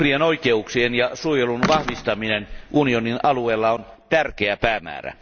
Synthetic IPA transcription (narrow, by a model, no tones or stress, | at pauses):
rienoikeuksienjɑsuojelunʋɑhʋist̪ɑminenʔunioninʔɑlueːlːɑont̪ærkeæpæːmæ̰ːræ̰